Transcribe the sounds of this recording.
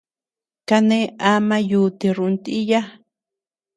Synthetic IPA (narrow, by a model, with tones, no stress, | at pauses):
ka˧nẽ˦a˦mã˧ju˨t̪i˧ɾu˨˧nt̪i˦ja˦